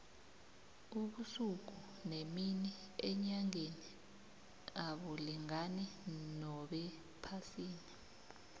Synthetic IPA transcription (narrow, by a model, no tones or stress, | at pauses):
uɓusuk̬u | nemini | ɛɲaŋeni | aɓɔliŋanɛnɔɓɛ | pʰasiːni